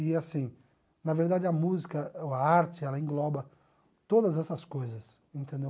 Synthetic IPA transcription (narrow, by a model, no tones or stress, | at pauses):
ɪasĩ | nɐveɾd̪ad͡ʒɪɐmuzikɐoɐaɾt͡ʃɪɛlɐẽɡlɔbɐ | t̪od̪ɐzɛsɐskojzɐs | ẽnt̪ẽnd̪ew